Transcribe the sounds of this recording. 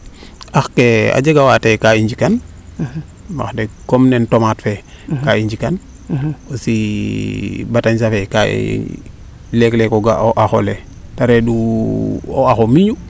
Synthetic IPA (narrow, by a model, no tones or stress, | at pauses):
axkea̰d͡ʒeɡawatekaiɲd͡ʒikan | ma̰xdekomnentomatfe | kaiɲd͡ʒikan | osi | bataɲsafeka̰ | leklekoɡaoʔaxo̰le | taɾedu | o̰axomiɲu